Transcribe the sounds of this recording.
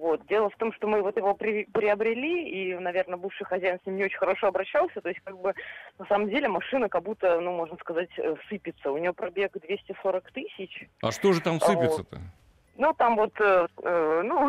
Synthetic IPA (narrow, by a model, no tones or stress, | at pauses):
vo̞t̪̚dʲe̞lˠəft̪o̞mʂt̪o̞mɨvo̞t̪jɪvo̞pɾʲɪpɾʲɪɐbɾʲɪlʲiinɐvʲernəbɨfʂɨjxɐzʲæjɪnsʲnʲimnʲɪot͡ɕɪnʲxəɾɐʂo̞ɐbɾɐɕːalˠsʲət̪o̞ɪsʲtʲkaɡ̚bɨnɐsaməmdʲelʲɪmɐʂɨnəkɐbut̪ənumo̞ʐnəskɐzatʲə̰fsɨpʲɪt̪səʊnʲɪvopɾɐbʲe̞ɡd̪vʲesʲtʲɪso̞ɾəkt̪ɨsʲɪt͡ɕɐ̰ʂt̪oʐɨt̪amfsɨvʲɪtsət̪ə̰ | nut̪amvo̞t̪əənu